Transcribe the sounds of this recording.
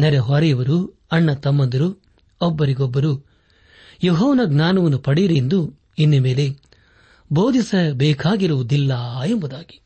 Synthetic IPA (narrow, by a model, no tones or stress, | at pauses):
nɛɾeɦɔɾɐjɐʋɐɾu | ɐɳːɐt̪ɐmːɐnd̪ɐɾu | ɔbːɐɾiɡɔbːɐɾu | joɦɔːʋɐnɐɡnaːnɐʋɐnːupɐɽiɾend̪u | inːɐme̞ːle̞ | boːd̪isɐbɛːkʰaːɡiɾuʋud̪ilːɐjembɐd̪aːɡi̥